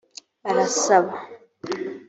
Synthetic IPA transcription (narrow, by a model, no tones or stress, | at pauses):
balasaβa